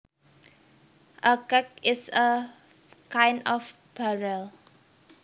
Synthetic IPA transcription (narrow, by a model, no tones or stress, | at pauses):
ʔəkɛk̚ɪsə | kãjndɔf | b̥aɹəl